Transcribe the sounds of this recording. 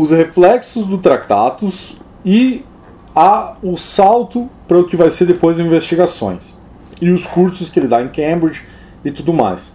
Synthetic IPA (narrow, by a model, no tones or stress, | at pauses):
ʊsheflɛksʊzd̪ʊt̪ɾat̪a̰t̪ʊs | ɪ | aʊsawt̪ʊpɾɐʊkɪvajseɾd̪epojzĩvest͡ʃiɡasõ̰j̃s | ɪʊskuɾsʊskɪelɪd̪aẽkẽmbɾid͡ʒɪ | ɪt̪ud̪ʊma̰js